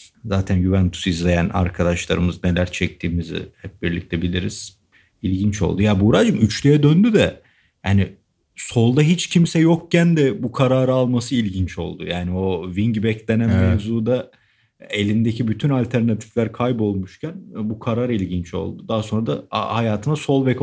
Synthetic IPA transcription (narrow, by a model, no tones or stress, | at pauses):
zaːt̪ʰænɟyvɛnt̪ʰu̥sizlʲe̞jæna̰ɾkʰad̪aʃlˠaɾɯmɯzne̞lʲæɾt͡ʃʰɛc̚t̪ʰiːmizɪ̰hɛp̚biɾlʲic̚t̪ʰɛbilʲiɾiz̥ | ilʲɟint͡ʃo̞̰lˠd̪ujabuɾad͡ʒɯmyt͡ʃʰlʲyjɛd̪ønd̪yd̪ɛ | jaːni | so̞lˠd̪aɦit͡ʃcʰimsɛjok̚cænd̪ɛbukʰaɾaːɾaːlˠmasɯilʲɟint͡ʃo̞̰lˠd̪ṵjaːnio̞viŋɟbɛclʲenænmevzuːd̪a | e̞lʲind̪ecibyt̪ʰynalʲt̪ʰæɾnat̪ʰi̥flʲæɾkʰajbo̞lˠmuʃcʰænbukʰaɾaːɾilʲɟint͡ʃo̞̰lˠd̪ud̪aɦaso̞nɾad̪a̰hajaːt̪ʰɯnaso̞lˠbɛkʰ